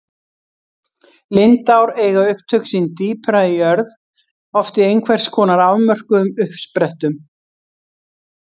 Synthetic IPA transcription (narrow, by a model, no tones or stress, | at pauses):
lɪnt̪awɾɛːjɣaʏhpt̪ʰœɥksint̪iːpʰɾaiœɾð | ɔft̪ɪejnkʰvɛr̥skʰɔːnaɾaːwmœr̥kʏʏmʏhpspɾɛht̪ʏm